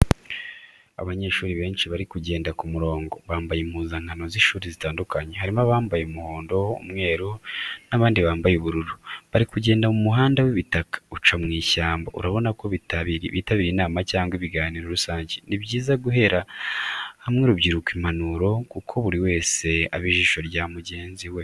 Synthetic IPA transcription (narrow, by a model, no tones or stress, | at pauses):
a̰βaɲe̞ːʃuːɾiβe̞ːnʃiβaɾikuɟe̞ːndakumuɾo̞ːŋɡo̞βaːmbajem̥huːzaŋ̥hano̞ziʃuːɾizitaːndukaɲe̞ɦaɾimaβaːmbajemuho̞ːndo̞ṵmŋe̞ːɾunaβaːndiβaːmbajuβuɾuɾuβaɾikuɟe̞ːndamumuɦaːndawiβitakḁut͡ʃamŋiːçaːmbo̰ṵɾaβo̞nako̞βitaβiɾiβiːtaβiɾinaːmacaːŋɡwiβiɡaːniːɾoɾusaːɲɟenibɟiːzaɡuɦe̞ɾa | hamŋeɾuβɟiɾukwimanuɾo̞kukʰo̞βuɾiwe̞ːse̞aβiʒiʃo̞ɾjaːmuɟe̞ːnziwe